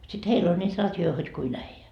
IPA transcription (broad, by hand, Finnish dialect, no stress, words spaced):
sit heil olʲ nʲiːt rɑtjoi hod kuin æijæ